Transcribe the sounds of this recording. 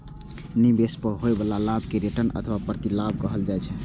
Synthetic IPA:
nibespəɦoebəlalabkeɾeʈənə̰t̪ʰʋapɾət̪ilab̚kəɦəld͡ʒajt͡ʃʰɛ

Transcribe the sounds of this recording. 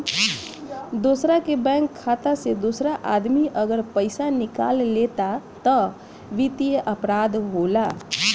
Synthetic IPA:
d̪osɾakebɛ̃ŋkʰːat̪ased̪osɾaʔad̪miʔəɡəɾpəjsanika̰llet̪at̪ə | ʋit̪ijəʔəpɾad̪ɦola

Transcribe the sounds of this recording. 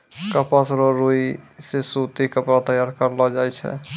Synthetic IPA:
kəpasɾoɾuisesut̪ikəpɾat̪əjaɾkəɾlɔd͡ʒajt͡ʃʰɛ̰

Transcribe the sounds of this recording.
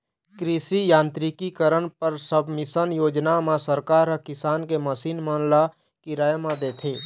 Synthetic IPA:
kɾisijãːnt̪ɾikikəɾəɳpəɾsəbʱmɪsənjoːd͡ʒnamãsəɾkaːɾəkɪsaːnkeməsiːnmənla | kiɾaːjəmãd̪eːt̪ʰeː

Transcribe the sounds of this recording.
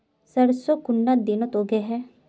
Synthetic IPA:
səɾsokʊnːad̪inot̪oɡeɦɛː

